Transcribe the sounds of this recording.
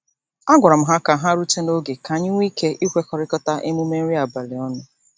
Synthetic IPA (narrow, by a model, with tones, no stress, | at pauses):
a˦ɡʷa˨ɾa˨m̩˦ɦa˦ka˨ɦa˦ɾu˦te˦no˦ɡe˨ka˨ɲɪ˦ŋʷ˦i˦ke˦ʔi˦ɦʷe˦kɔ˨ɾɪ˦kɔ˦ta˦ʔɪ˦mu˦me˦n̩˦ɾi˦a˨ba˨lɪ˨ɔ˦nʊ˦˨